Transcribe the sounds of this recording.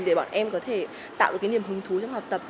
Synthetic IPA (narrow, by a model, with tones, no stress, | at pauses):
ɗe˧˩ɓa̰ː˧˩nʔɛ˧mkɔ˨˦t̪ʰe˧˩ | t̪a̰ː˧˨wɗkːni˨˩əmhɨ˨˦ŋt̪ʰu˨˦t͡ɕwŋ͡mha˨˩k͡p̚t̪ə˨˩p̚